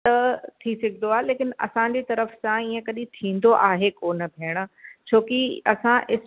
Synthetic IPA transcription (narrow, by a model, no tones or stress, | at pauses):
t̪ɐt̪ʰisɐɡʱɪnd̪oaːɦeleːkɪnɐ̰sãd͡ʑet̪ɐɾəfsãiːə̃kɐɗĩt̪ʰĩːn̆d̪oʔaːɦekoːnə̆bʱeːɽ̃̆t͡ɕʰoːkiɐsãʔɪs